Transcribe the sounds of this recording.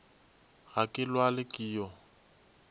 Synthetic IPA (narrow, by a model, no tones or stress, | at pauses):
ɣakʼɪlwalɪkʼiːjɔ